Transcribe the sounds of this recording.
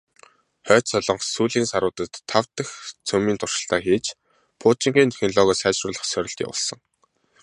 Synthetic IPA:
χœːt̪sɔɮɞ̆ɴqsuːɮiːnsaɾʊːt̪ə̆t̪ʰːawt̪ə̆xt͡sʰɵmiːnt̪ʰʊr̥ʃə̥̆ɬt̪aːxiːt͡ɕ | pʰʊːt͡ɕĭŋɡiːnt̪ʰexnɮɔːɣɔːsæːt͡ɕrʊːɮə̆χsœɾʲɪ̆ɬt̪ḭwʊ̰ɮsə̆ŋ

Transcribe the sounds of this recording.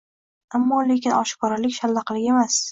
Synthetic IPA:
amːɒle̞kʲɪnɒʃɪ̥kʰɒɾalɪkʲʃalːɑqʰlˠɪɡʲemas

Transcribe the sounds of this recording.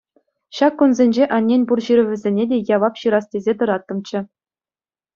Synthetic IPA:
ɕɑkːunzʲenʲd͡ʑeʔɑnʲːenʲpurɕiɾʲɘ̆ʋʲɘ̆zʲenʲedʲejɑʋɑpɕɯɾɑstʲezʲet̪ɤ̆ɾɑt̪ːɤ̆mt͡ɕɘ̆

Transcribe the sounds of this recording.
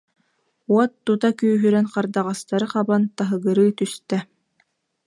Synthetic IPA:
uɔt̪ːut̪akyːɦyɾɛnqaɾd̪aʁast̪aɾɯqabant̪aɦɯɡɯɾɯːt̪yst̪ɛ

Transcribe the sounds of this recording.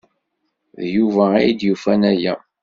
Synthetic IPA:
ðjuvæːjd̪jufænæjæ̰

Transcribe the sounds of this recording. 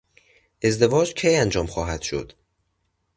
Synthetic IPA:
ʔe̞zd̪e̞vɒːd͡ʒcʰejænd͡ʒɒːmxɒːɦæd̪̥ʃo̰d̪̥

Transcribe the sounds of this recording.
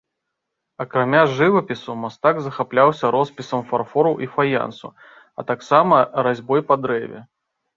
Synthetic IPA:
ɐkɾamʲaʐɨvɐpʲisumast̪aɡzɐxaplʲawsʲɐɾɔspʲisɐmfarfɔɾɐwʔifaja̰nsṵ | ɐ̰t̪aksamɐɾazʲbɔjpɐd̪ɾɛvʲɛ̰

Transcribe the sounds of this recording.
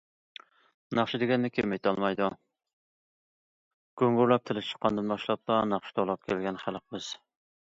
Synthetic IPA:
nɑχʃɪd̪ɪɡʲɛnːɪkʲʰemejt̪ʰɑlˠmɑjd̪u | ɡ̥øŋɡuɾlˠɑp̚t̪ʰɪlɪʃt͡ʃʰə̥qːɑnd̪ɨnbɑʃlˠɑp̚d̪ɑnɑχʃɪ̥t̪ʰɑlˠɑp̚kʲʰelɡʲɛnχælˠq̚bɨz̥

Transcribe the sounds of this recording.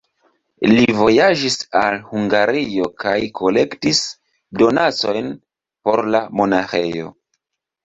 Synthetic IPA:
livo̞jaʒisalhuŋɡaɾio̞kajkʰo̞le̞ktis | do̞nat͡so̞jn | po̞ɾlamo̞naxe̞̰jo̞̰

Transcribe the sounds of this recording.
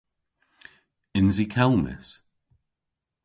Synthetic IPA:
ɪnzikʰalmɪ̰s

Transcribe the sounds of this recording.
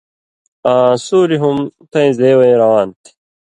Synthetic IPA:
ãːsuːɾiɦumt̪ɐ̃ĩzd̪eːwɐĩɾɐwaːnt̪ʰi̥

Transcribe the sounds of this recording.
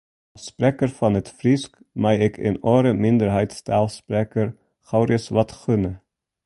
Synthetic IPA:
spɾeːkəɾfɔnɛt̪fɾɪsk | mæɪeːkʰḛːnoːɾəmɪnd̪əɾhæɪt̪st̪ʰɑːlspɾeːkəɾ | xɑʊɾɪəsʋɑt̪xʉnə

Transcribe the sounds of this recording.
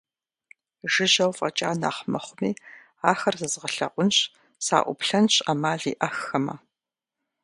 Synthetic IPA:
ʒɨʑɐwfʼɐt͡ʃʼaːna̰ːχmɐχʷʊmiː | aːxɐrzɐzʁɐɬɐ̰ʔʷʊnɕʼ | sa̰ːʔʷʊ̰pɬɐnɕʼamaːɮḭːʔɐxɐmɐ̰

